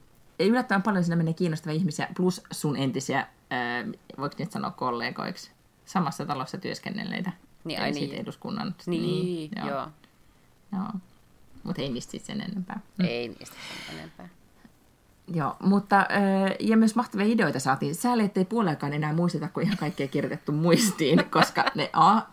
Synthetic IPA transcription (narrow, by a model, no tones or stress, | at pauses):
eylːæt̪ːəʋæmpɑljosinːæmeneækiːnːost̪ɑʋiɑihmisiæ̰plussunent̪isiæː | ʋoiksnieːt̪sɑno̰ːkkolːeːɡ̥o̰iks | sɑmɑsːɑt̪ɑlosːɑt̪yøskḛnːḛlːˑḛit̪æ̰sit̪ḛduskunːɑ̰nnjo̰oː | jo̰ː | mut̪einiːst̪sḭt̪sḛnḛnːempæ̰ːeinḭːseḛnḛmpæː | joːmut̪ːɑʔøːjɑmyøsmɑht̪ɑʋiɑideoit̪ɑsɑːt̪iːnsæːleet̪ːeipuolelːkɑːnenæːmuist̪et̪ɑkuihɑŋkɑikːeːkirjot̪et̪ːummuist̪iːnkoskɑneʔɑ